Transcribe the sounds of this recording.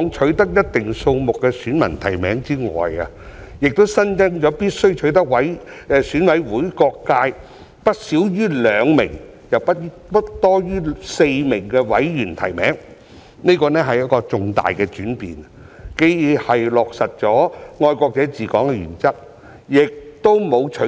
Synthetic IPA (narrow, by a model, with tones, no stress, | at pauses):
ɔː˨˧˥ŋt͡ʃʰɵ˨˥ɥt̪ɐ˥k̚jɐ˥t̚t̪ɪ˨ŋso˧wmʊ˨kːɛ˧syː˨˥nmɐ̰˨˩nt̪ʰɐ˨˩jmɛ̰ː˨˥ŋt͡siː˥ŋɔ̰ː˨jɐ˧ | jɪ˨k̚t̪o˥wsɐ˥nt͡sɪ˥ŋt͡ʃɔː˨˥piː˥t̚sɵ˥ɥt͡ʃʰɵ˨˥ɥt̪ɐ˥k̚wɐ˨˥jsyː˨˥nwɐ˨˥jwuː˨˥jkɔː˧kːaː˧j | pɐ˥t̚siː˨˥wjyː˥lœː˨˧ŋmɪ̰˨˩ŋ | jɐ˨wpɐ˥t̚ | pɐ˥t̚t̪ɔː˥jyː˥se˧jmɪ˨˩ŋkɛː˧wɐ˨˥jjyː˨˩nt̪ʰɐ˨˩jmɛ̰ː˨˥ŋ | ne˥kɔː˧nɛː˥ɦɐ˨jɐ˥kɔː˧t͡sʊ˨˧ŋt̪a̰ː˨jkɛː˧t͡ʃyː˨˥npḭː˨˩n | ke˨˧˥jjiː˨˧hɐ˨jlɔː˨k̚sɐ˨t̚t͡ʃɔː˨˥ŋɔː˧jkɔː˧k̚t͡sɛː˨˥t͡siː˨kɔː˨˥ŋkɛ˧jy̰ː˨˩nt͡sɐ˥t̚ | jɪ˨k̚t̪o˥wmo˨˧wt͡ʃʰɵ˨˥